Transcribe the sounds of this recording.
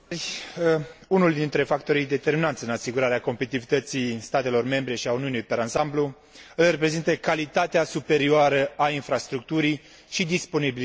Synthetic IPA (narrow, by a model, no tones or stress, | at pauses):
rʲ | unuld̪int̪ɾe̞fak̚t̪o̞ɾijd̪e̞t̪e̞rminat̪sʲɨnasiɡuɾaɾeako̞mpeit̪ivit̪ət̪sijst̪at̪e̞lo̞rme̞mbɾe̞ʃiauniunelujpeɾansamblu | ɨlre̞p̬ɾe̞zint̪əkalit̪at̪easupe̞ɾioaɾəainfɾast̪ɾuk̚t̪uɾij | ʃid̪ispo̞nibili